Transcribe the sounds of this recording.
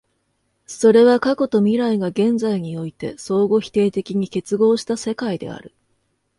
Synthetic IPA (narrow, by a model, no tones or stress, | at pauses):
so̞ɾe̞βakako̞t̪o̞mʲiɾaiɡaɡẽ̞nd͡zaiɲ̟io̞it̪e̞̰so̞ːɡo̞çʲi̥t̪e̞ːt̪e̞kʲiɲ̟ike̞t͡sɨɡo̞ːɕi̥t̪ase̞kaid̪e̞̰a̰ɾɯ̟